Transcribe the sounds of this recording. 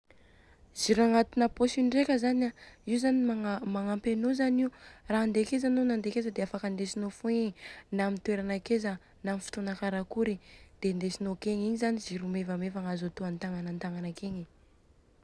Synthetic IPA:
ziɾaŋat̪unəposinrekʲəzanaiuzanimaŋampenozaniuraand̪ekezanonand̪ekezəd̪eafakənd̪esinofueɲinamint̪uweɾanakezə | namifi̥t̪onakaɾakuɾid̪̥end̪esinokeɲiɲizaniziɾumevəmevaŋazot̪oant̪aŋanant̪aŋanakeɲi

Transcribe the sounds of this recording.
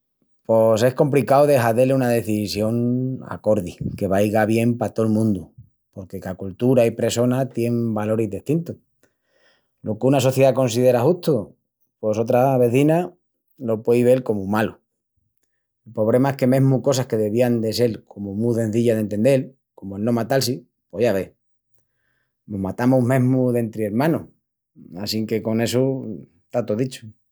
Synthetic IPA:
pose̞shko̞mplikawðe̞xaðeleunað̞e̞θisjo̞ŋa̰ko̞ɾðike̞βajɣaβjempat̪o̞lmũnd̪u | po̞ɾke̞kakult̪uɾaipɾe̞so̞nat̪je̞ŋbalo̞ɾezðeht̪int̪o | lʔo̞kunaso̞θje̞ðako̞ns̬iðe̞ɾaxuht̪o | po̞so̞t̪ɾaβe̞θina | lo̞pweiβ̞e̞lko̞mumalo | elpo̞βɾe̞mae̞hke̞me̞ɦmuko̞sahke̞ðe̞β̞iand̪e̞se̞lkʰo̞mumusẽ̞n̟θiʎaðe̞nt̪e̞nd̪e̞l | ko̞moelnõ̞mat̪alsi | po̞ʝaβ̞e̞ | nomat̪amumẽ̞ɦmuðe̞nt̪ɾieɾmãno | asiŋke̞ko̞ne̞su | t̪at̪oðit͡ʃo̥

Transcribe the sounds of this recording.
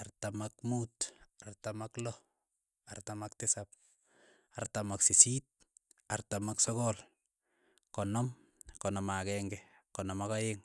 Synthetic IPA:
artamak̚mutartamaklɔ | artamaktɪsap̚ | artamaksisit̚ | artamaksɔkɔl | kɔnɔm | kɔnɔmakɛŋɡɛ | kɔnɔmakajɪŋ

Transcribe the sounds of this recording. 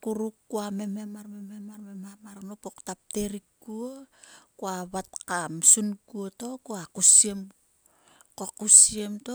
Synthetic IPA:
kuɾukːuame̞me̞maɾme̞me̞maɾme̞mamaɾnopo̞ktap̚te̞ɾikɡuokuaβatkamsunɡuoto̞koakusiem | kokusiemto

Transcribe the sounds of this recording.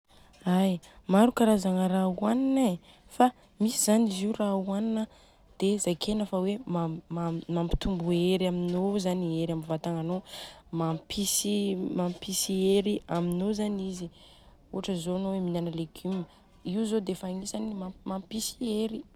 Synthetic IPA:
aj | maɾukaɾazaŋəɾauanine | fa | misizaniziurauaninə | d̪̥ezajkʰenəfawemammampi̥t̪umbueɾaminozanieɾamivat̪aŋanomampʰisimampisieɾiaminozanizi | uɦaʈ͡ʂəzonoweminanəleɡymə | iwzod̪efaŋisanimamampisieɾi

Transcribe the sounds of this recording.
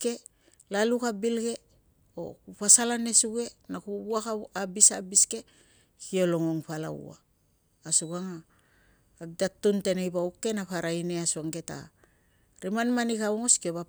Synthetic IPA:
ke̞ | lalukabilɡe̞ | o̰kupasalane̞suɡe̞nakuuakaabisabiske̞ | kio̞loŋoŋpala̰ṵa̰ː | suɡaŋaː | ɡ̚datːunte̞nejbaukːe̞napaɾaineasuaŋɡe̞ta̰ | ɾimanmanikawŋoskioβa

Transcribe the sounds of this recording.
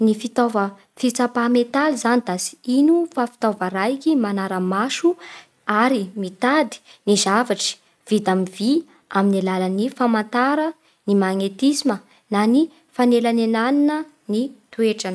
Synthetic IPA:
nifit̪ovə | fit͡sapamet̪alizanid̪azi̥inufafi̥t̪ovəɾajkʲimanaɾəmaʃu | aɾimit̪ad̪i̥nizavaʈ͡ʂi̥ | v̥id̪amivi | aminilalənifamant̪aɾə | nimaŋet̪isimə | nani | fanelanenaninə | nit̪ueʈ͡ʂan

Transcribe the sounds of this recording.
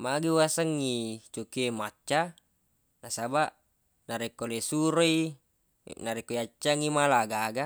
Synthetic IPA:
maɡiwasaŋːit͡ʃokiemat͡ʃːa | nasabaʔ | naɾekːolesuɾoi | naɾekːoiat͡ʃːaŋimalaɡaɡa

